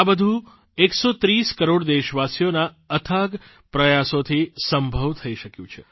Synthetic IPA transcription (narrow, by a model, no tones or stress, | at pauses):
abəd̪ʱũ | eksot̪ɾiskəɾoɽd̪eʃəʋasjona | ət̪ʰaɡ | pɾəjasot̪ʰisəmbʱəʋt̪ʰəiʃəkjũt͡ʃʰe